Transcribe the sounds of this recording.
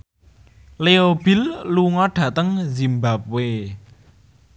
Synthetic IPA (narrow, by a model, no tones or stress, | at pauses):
leob̥i̤lːuŋɔɖ̥ä̤t̪əŋzimbap̚we